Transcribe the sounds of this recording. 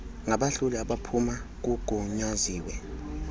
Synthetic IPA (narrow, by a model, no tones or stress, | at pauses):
ŋaɓaɬuliaɓapʰumak̬uɡ̥ʱuɲaziːwɛ